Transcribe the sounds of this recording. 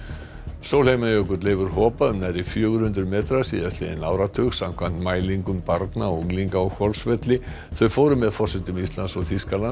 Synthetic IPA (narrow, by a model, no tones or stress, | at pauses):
sowlejmajœkʏɾt̪leːjvʏɾ̥ɦɔːpaʏmnaɾifjœːɣʏɾ̥hʏnt̪ɾʏmɛːt̪ɾasiːðast̪lɪ̰ðɪ̰naːwɾat̪ʰʏɣsːamkʰvan̥t̪maːjliŋkʏmpaɾt̪nauŋliŋkaɔɣkɔlsvɛt̪lɪ | θœɥfoːwɾʏmɛðfɔrsɛt̪ʏmist̪lansɔɣθiskalan